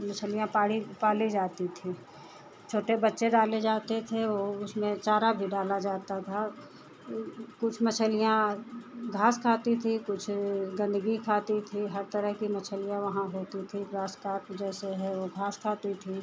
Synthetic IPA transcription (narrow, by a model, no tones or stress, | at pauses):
mət͡ʃʰəlijãpaːɽipaːlid͡ʒaːt̪it̪ʰiː | t͡ʃʰoːʈebətːʃeɖaːled͡ʒaːt̪et̪ʰeoːʊsmẽt͡ʃaːɾabʱiɖaːlad͡ʒaːt̪at̪ʰa | kʊt͡ʃʰmət͡ʃʰəlijã | ɡʱaːskʰaːt̪it̪ʰikʊt͡ʃʰɡə̃nd̪əɡikʰaːt̪it̪ʰiɦəɾt̪əɾəɦkimət͡ʃʰəlijãʋɐɦãɦoːt̪it̪ʰiɾaːskaːɾʈd͡ʒɛːseɦɛ̃ʋoɡʱaːskʰaːt̪it̪ʰi